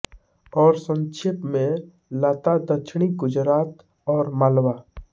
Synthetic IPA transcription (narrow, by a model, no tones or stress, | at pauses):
ɔːɾsə̃nt͡ʃʰɪpmẽ | laːt̪ad̪əkt͡ʃʰɽ̃iɡʊd͡ʒɾaːt̪ | ɔːɾmaːlwaː